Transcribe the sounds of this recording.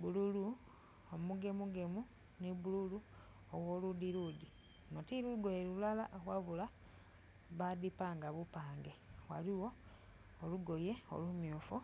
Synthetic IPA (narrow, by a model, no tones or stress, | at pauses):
bululu | omuɡe̞muɡe̞mu | niβululu | owoludiludi | notiɾuluɡojeluulalaʔɣwavula | βadipaːŋɡaβupaːŋɡewa̰liwo̞ː | luɡo̞jeo̰lumjuːfu